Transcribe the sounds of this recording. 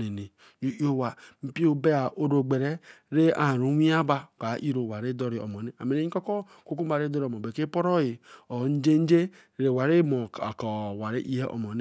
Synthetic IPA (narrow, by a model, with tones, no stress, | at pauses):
ne˨ne˨ | d͡ʒu˦i˦o˦wa˨m̩˦pi˦o˦be˦a˨ʔo˦ɾo˨ɡ͡be˨ɾe˦ɾe˦a˨ɾo˨˦wi˦a˦ba˦˨ka˨˦ʔi˦ɾo˨wa˨ɾe˦dɔ˦ɾi˨ɔ̰˨mɔ˨ne˦a˨me˨ɾe˨˦ĩ˦ɔ˦kɔ˦ | ko˦ku˦m˦a˨ɾe˦dɔ˦ɾmɔ˨be˨ke˦pɔ˦ɾɔ˦je˨ɔ˨˦n̩˦d͡ʒe˦n̩˦d͡ʒe˦ | ɾe˨wa˨ɾe˦mɔ˨kɔ˨wa˨ɾe˦ʔi˦e˦ʔɔ̰˨mɔ˨ne˦